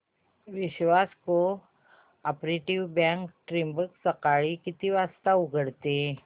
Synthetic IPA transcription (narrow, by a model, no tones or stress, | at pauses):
ʋiɕʋasko | apɾeʈiʋbãŋkʈɾimbəksəkaɭiːkit̪ʰiːʋast̪auɡʱəɽt̪e